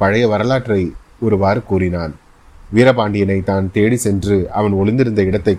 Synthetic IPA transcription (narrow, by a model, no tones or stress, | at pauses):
pɐɻɐjɐʋɐɾɐlaːʈːrɐɪ | ɔɾɯʋaːɾɯkːuːrɪnaːn | ʋiːɾɐpaːɳɖɪjɐnɐɪt̪ːaːnt̪eːɽisɛndrɯʔɐʋɐnɔɭɪnd̪ɪɾɯnd̪ɐɪɽɐt̪ːɐɪ